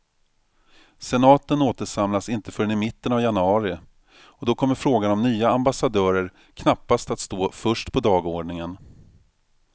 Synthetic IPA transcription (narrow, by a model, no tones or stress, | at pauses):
sɛnɑːt̪ənoːt̪əʂamlasɪnt̪əfœɾɛnɪmɪt̪ːənavjanɵɑːɾɪ | ɔd̪ɔkʰɔmːəɾfɾoːɡanɔmnyːaambasad̪œːɾəɾ | kʰnapːast̪at̪st̪oːfœʂʈpʰɔd̪ɑːɡoːɖɳɪŋən